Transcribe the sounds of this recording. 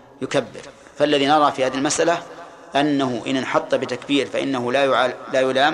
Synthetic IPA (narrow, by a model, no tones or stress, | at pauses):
jʊkabːɪ̰ɾ | falːaðinɑɾˤɑfihaːðialmasʔala | ʔanːahʊʔɪ̰nnħɑt̪ˤːbɪt̪akbiːɾfaʔɪ̰nːaɦʊlajʕalaːjʊlaːm